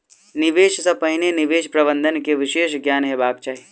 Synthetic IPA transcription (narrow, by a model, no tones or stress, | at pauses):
nɪʋeːʃsɐpəɦɪnenɪʋeːʃpɾɐbə̃nd̪ʱənkeʋɪʃeːʃɡjaːnɦɛbaːbt͡ʃaːɦi